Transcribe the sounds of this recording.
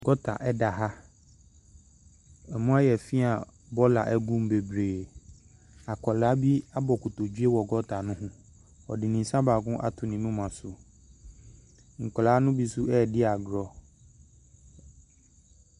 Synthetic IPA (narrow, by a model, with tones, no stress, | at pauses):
ɡɔ˦tʰa̰˨ʔɛ˦da˨ɦa˦ | ɛ˨mũ˦a˦jɛ˨fi˦a˨ | bɔ˦la̰˨ʔɛ˦ɡũ˦m˦be˨bɾeː˨ | a˨kʰɔ˨la˨˦bi˦a˦bɔ˨kʰʊ˨to˨d͡ʑɥe˦wɔ˨ɡɔ˦tʰa˨nʊ̃˦ɦʊ̃˦ | ɔ̰˨dɪ˨nĩ˨˦sã˦ba˨ɡʊ̃˦ʔa˦tʰʊ˨nĩ˨mũ˦mã˨sʊ˨ | ŋ̩˨kʷlaː˨˦nʊ̃˦bi˦sʊ˦ʔɛ˦˨dɪ˦a˨ɡɾɔ˦